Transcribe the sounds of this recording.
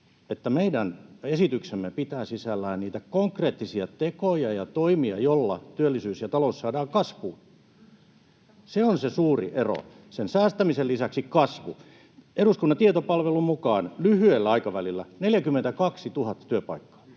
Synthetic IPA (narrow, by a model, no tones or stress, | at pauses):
et̪ːæmeidænesit̪yksemːepit̪æːsisælːæːnniːt̪ækoŋkreːt̪ːisiɑt̪ekojɑjɑt̪oimiɑjolːɑ̰t̪yølːisyːsjɑt̪ɑloussɑːdɑːkɑsʋuː | seonsesuːrḭʔero̰ | sensæːst̪æmisellisæksikɑsʋṵ | eɾuskunːɑnt̪iet̪opɑlʋelumukɑːnlyhyelːæɑikɑʋælilːæneljækymːent̪ækɑksit̪uhɑt̪ːɑ̥t̪yøpɑ̰ikːɑ̥ː